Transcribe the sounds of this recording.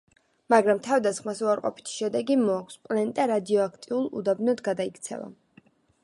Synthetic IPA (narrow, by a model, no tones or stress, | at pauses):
maɡɾamt̪ʰavd̪asχmasuaɾqʼɔ̰pʰi̥t̪ʰi̥ʃɛd̪ɛɡimɔakʰʷspʼlɛnd̪ʼaɾad̪iɔakʰt̪ʼiulˠṵd̪abnɔd̪ɡad̪aikʰt̪sʰɛ̰va̰